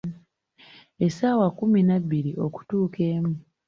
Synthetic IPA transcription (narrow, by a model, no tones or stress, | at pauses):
e̞saːwakuminabːiɾiʔo̞ku̥tuːke̞ːmu